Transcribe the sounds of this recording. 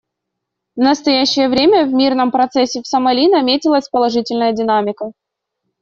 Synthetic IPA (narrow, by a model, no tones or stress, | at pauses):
vnəst̪ɐjæɕːɪjəvɾʲemʲəvʲmʲirnəmpɾɐt̪sɛsʲːɪfsəmɐlʲinɐmʲetʲɪlˠəsʲpəlˠɐʐɨtʲɪlʲnəjədʲɪnamʲɪkə